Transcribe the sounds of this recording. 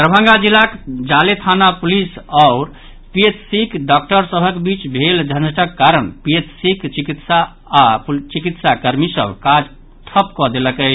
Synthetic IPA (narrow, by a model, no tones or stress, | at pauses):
t̪ɾəbʱə̃ŋɡad͡ʒilːakd͡ʒalet̪ʰanapulisaʊɾ | piet̪sikɖɔk̚ʈəɾsəbʱəkbit͡ʃbʱeld͡ʒʱənəʈəkːaɾənpiet̪sikt͡ʃikit̪saː | pt͡ʃikit̪sakəɾmisə̰bʱkad͡ʒ | ʈʰəpkɔd̪eləkəɪt͡ʃʰ